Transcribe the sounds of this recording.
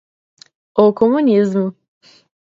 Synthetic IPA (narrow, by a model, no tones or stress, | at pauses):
okʰomunʲizm